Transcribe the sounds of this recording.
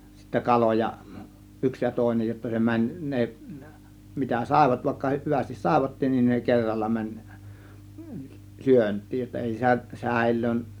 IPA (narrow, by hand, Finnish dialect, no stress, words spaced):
sitːæ kɑlojɑ yks jɑ toˑe̝nej jotːɑ se mænʲ ne mitæ sɑˑe̝ʋɑt ʋɑˑe̝kːɑ hyʋæstis sɑˑe̝ʋɑtːin nin ne kerːɑlːɑ mænʲ syøntˑiːj jotːɑ eˑi sæ sæˑe̝lˑøːn